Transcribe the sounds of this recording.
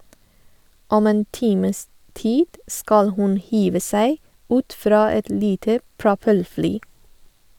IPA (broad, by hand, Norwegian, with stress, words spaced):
ˈɔm ˈeːn ˈtiːməs ˈtiːd ˈskɑl ˈhʉn ˈhiːʋə ˈsæɪ ˈʉːt ˈfɾɑː ˈɛt ˈliːtə pɹʊˈpɛlˌflyː